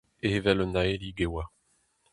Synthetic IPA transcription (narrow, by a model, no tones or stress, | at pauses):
ehevɛlɔnaeliɡewa